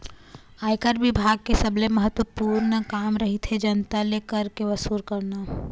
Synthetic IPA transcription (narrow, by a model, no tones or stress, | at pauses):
aːjkəɾʋɪbʱaːɡ̚kesəbleməɦət̪wəpuːɾnəkaːmɾəɦit̪ʰɦed͡ʒənt̪alekəɾkeʋəsuːɾkəɾna